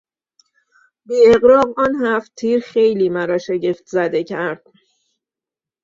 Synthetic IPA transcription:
biːeɣɾɒːɣɒːnhæft̪ʰiːɾxe̞jliːmæɾɒːʃe̞ɟeft̪ʰzæd̪e̞cʰæɾd̪̥̚

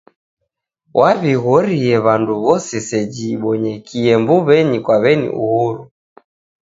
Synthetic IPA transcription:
wʔaβiɣɔɾiɛβanduβɔsɛsɛd͡ʒiːɓɔɲɛkʰiɛmbuβɛɲikwaβɛnḭʔṵhuɾu

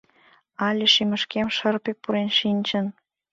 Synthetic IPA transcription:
ɑlʲeʃimə̆ʃkemʃərpek̚puɾenʃinʲt͡ɕən

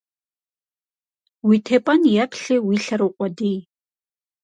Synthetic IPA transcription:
wiːtʰeːpʼɐnjɛpʰɬɨwiːɬɐɾowqʷʼɔdij

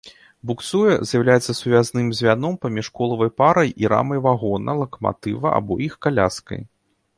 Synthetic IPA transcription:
buk̪sujɐ̰zʲjawlʲajɛt̪sɐsuvʲaznɨmzʲvʲanɔmpɐmʲiʂkɔlˠɐvɐjpaɾɐjʔiɾa̰mɐjvaɣɔnɐlˠɐkɐma̰t̪ɨvɐʔa̰bɔjixkalʲaskɐ̰j

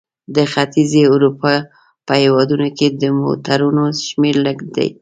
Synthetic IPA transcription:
d̪əxat̪izeuɾupɑ | pəhewɑd̪unoked̪əmo̰t̪aɾunoʃmeɾləɡd̪a̰j

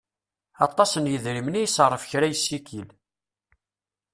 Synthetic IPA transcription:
ɑt̪ˤːɑsənjəðɾimənijsʁˤːəfçɾæjəsːikʰil

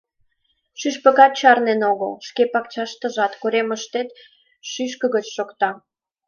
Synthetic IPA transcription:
ʃyʃpə̆ɣɑt̪̚t͡ɕɑrnenoɣəlʃkepɑkt͡ɕɑʃt̪ə̆ʒɑt̪kuɾeməʃt̪et̪ | ʃyʃ̬kə̆ɣət͡ɕʃokt̪ɑ

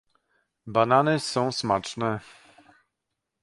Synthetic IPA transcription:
bananɘsɔ̃w̃smat͡ʂnɛ

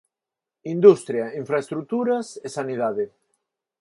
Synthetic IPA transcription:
ind̪ust̪ɾjaiɱfɾaest̪ɾut̪uɾasesaniðaðe

